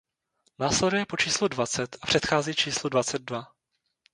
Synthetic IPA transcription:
naːslɛdujɛpo̞t͡ʃiːsludvat͡sɛt̪ḁpr̝̥ɛt̪xaːziːt͡ʃiːsludvat͡sɛd̪̚dva

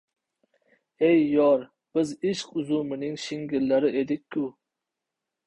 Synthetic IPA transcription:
ejːɒɾ | b̥ɪzɪʃqʊzumɪnɪŋʃɪŋɡʲɪɾlaɾɪʔed̪ɪkʲʰːu

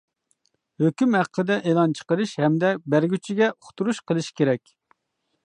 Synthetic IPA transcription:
høkʲymhæqʰːəd̪ɛʔelˠɑnt͡ʃʰə̥qəɾɨʃhɛmd̪ɛbæɾɡʲyt͡ʃʰiɡʲɛʔoχt̪uɾuʃqʰəlˠɨʃkʲʰeɾɛkʲ

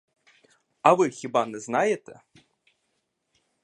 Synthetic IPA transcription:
ɐvɨxʲibanɛznajɛt̪ɛ

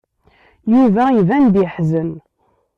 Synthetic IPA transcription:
juvæivænd̪ħzən

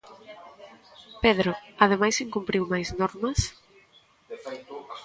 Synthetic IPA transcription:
peðɾoað̞emajsiŋkumpɾiwmajznɔɾmɐs

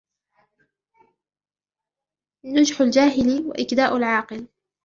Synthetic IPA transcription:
nʊd͡ʒħʊld͡ʒaːɦɪlwa̰ʔɪkd̪aːʔʊlʕɑːqɨl

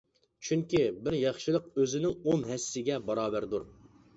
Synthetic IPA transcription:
t͡ʃʰyŋkʲibɪɾjɑχʃɨlˠəqøzɪnɪŋonɦɛsːɪɡʲɛbɑɾɑːbæɾd̪uɾ

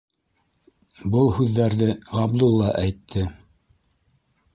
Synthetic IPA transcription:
bɤlˠhʉðːæɾðɘʁɑbd̪ulˠːɑʔæjt̪ʰːɘ

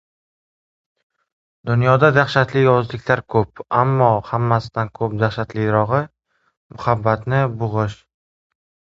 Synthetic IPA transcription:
d̪ʊnjɒd̪ad̪aχʃat̪lɪjɒzlɪkʲʰlaɾkʰɵp̚amːɒhamːasɪd̪ankʰɵp̚d̪aχʃat̪lɪjɾɒʁɨ | mʊhabːat̪nɪbʊʁɨʃ

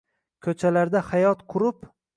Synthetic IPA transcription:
kʲʰɵt͡ʃʰalaɾd̪ahajɒt̪qʰʊɾɪp

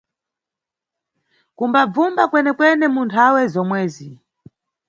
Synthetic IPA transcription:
kumbab͡vumbakwɛnɛkwɛnɛmuntʰawɛzɔmwɛːzi

